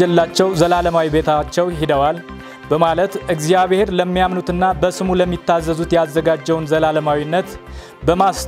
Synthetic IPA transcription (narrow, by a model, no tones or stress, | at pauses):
ɛlːat͡ʃːɛwzəlaləmawibe̞t̪ʰat͡ʃːɛwɦid̪əwal | bəmalət̪ɨɡzijaβhe̞ɾləmːijamnut̪ɨnːabəsɨmuləmːit̪ːazːəzut̪jazːəɡad͡ʒːɛwnzəlaləmawinːət̪ | bəmas